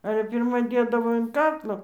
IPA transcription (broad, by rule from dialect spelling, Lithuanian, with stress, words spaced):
ˈɑːlʲɛ pʲɪrˈmɐ ˈdʲeːdɐʋoː ɪn ˈkɑːklˠoː